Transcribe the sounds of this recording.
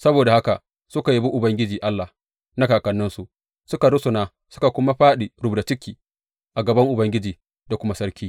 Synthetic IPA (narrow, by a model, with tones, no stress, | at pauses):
sɐ˦boː˨da˨ha˦ka˨ | sʊ˦ka˨ji˦bu˦ʔʊ˨bɐ˦ŋɡʲɪ˦d͡ʒiː˨ʔa˦lːa˨h | na˦kaː˨kɐ˨nːɪ˦nsu˨ | sʊ˦ka˨ɽʊ˦sʊ˨naː˦ | sʊ̥˦ka˨kʷʊ˦ma˦ɸaː˦ɗi˨ɽʊ˦bda˨t͡ʃɪ˦kʲːiː˨ | ʔa˨ɡɐ˨bɐ˦ŋʔʊ˨bɐ˦ŋɡʲɪ˦d͡ʒiː˨ | da˨kʷʊ˦ma˦sɐ˦ɽkʲʰiː˦